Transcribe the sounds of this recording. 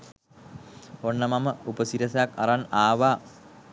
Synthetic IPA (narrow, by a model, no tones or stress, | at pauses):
onːɐmɐməupəsiɾɐsɐjakɐ̰ɾanaːʋaː